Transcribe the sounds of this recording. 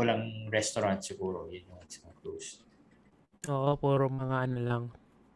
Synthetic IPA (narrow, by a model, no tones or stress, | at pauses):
wɐlaŋɾɛst̪oɾant̪̚sɪɡuːɾojʊnjʊŋɐksnɐklus | ʔoːʔopuːɾoŋmɐŋaʔɐnolaŋ